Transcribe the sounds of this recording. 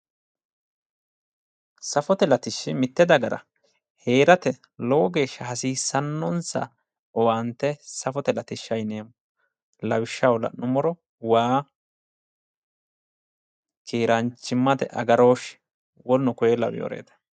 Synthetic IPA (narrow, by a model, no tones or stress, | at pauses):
sɐfɔt̪ɛlɐt̪ɪʃːɪmɪt̪ːɛd̪ɐɡɐɾɐ̰ | heːɾɐt̪ɛ | lowɔɡe̞ːʃːɐhɐsiːsːɐnːɔnsɐ̰ | ɔwaːnt̪ːɛsɐfɔt̪ɛlɐt̪ɪʃːɐjneːm | lɐwɪʃːɐwlɐ̰nʊmɔɾɔ | waː | kʰiːɾɐnt͡ʃːɪmːɐt̪ɛ̰ʔɐɡɐɾo̞ːʃ | wɔlnʊkɔjɛlɐ̰wɪjo̰ːɾḛːt̪ɐ̥